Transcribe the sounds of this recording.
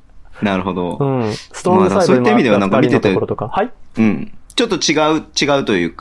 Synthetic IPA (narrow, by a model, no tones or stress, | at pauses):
naɾɯ̟ɦo̞d̪o̞̰ɯ̃st̪ːasoit̪aimʲid̪eanãŋkamʲit̪et̪eokahaɯ̟̃ɴt͡ɕot̪ːo̞t͡ɕiɡaɯ̟t͡ɕiɡaɯ̟t̪o̞jɯ̟ːk